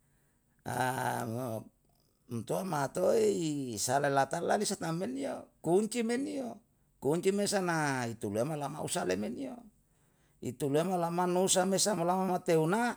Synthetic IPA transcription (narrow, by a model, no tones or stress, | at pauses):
a̰ | mt̪uamat̪oeisalelat̪alalisat̪ameniokuɲt͡ʃimenio | kuɲt͡ʃimesanait̪uluemalama̰ṵsalemenio | ḭt̪uluemalamanusamesamolamamat̪euna